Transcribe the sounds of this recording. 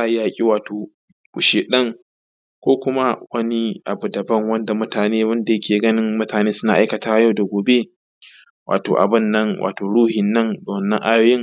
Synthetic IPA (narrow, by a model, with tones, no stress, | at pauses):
a˦˨˦jaː˦kʲʼi˦waː˨toː˨ | kʊ˨ʃeː˨ɗɐ˦ŋ | kʷoː˦kʷʊ˦ma˦wɐ˦ni˦ʔa̰˨bu˨dɐ˨bɐ˦ŋwɐ˦nda˨mʊ˦taː˨neː˦wɐ˦nda˨jɐ˦kʲeː˨ɡɐ˦nɪ˦ŋmʊ˦taː˨neː˦sʊ˦na˨ʔa˦jkɐ˨taː˦ja˦˨wda˨ɡʷoː˨be˦ | wʔaː˨to̰ː˨ʔa̰˨bɪ˦˨nːɐ˦ŋwʔa̰ː˨toː˨ɽuː˦hɪ˨nːɐ˦ŋdo˨nːɐ̰˦ŋʔa˦jo˦jɪ˦ŋ